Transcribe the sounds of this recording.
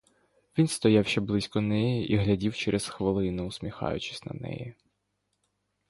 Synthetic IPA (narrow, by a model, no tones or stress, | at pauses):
ʋʲinst̪ɔjɑwʃɛblˠɪsʲkɔnɛjiʔiɦlʲɐdʲiwt͡ʃɛɾʔɛsxʋelˠɪnʊʊsmʲixɑ̰jʊ̰t͡ʃɪ̥sʲnɐ̰nɛ̰ji